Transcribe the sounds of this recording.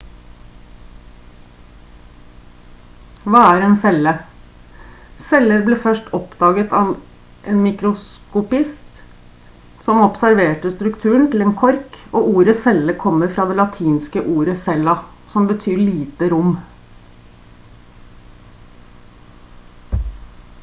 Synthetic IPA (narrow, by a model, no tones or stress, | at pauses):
ʋɑːæɾeːnsɛlə | sɛləɾbliːfœʂʈɔpd̪ɑːɡət̪ʰɑʋ | ʔeːnmɪkɾʊs | kʊpɪst̪ | sɔmɔpsæɾʋeːʈəst̪ɾʉkt̪ʰʉːəɳ̩t̪ʰɪl̩eːnkʰɔɾkoːʔuːɾəsɛləkʰɔmːəɾfɾɑːd̪ɛːlɑt̪ʰiːnskəʔuːɾəsɛlɑ | sɔmbət̪ʰyːɭiːt̪əɾʊm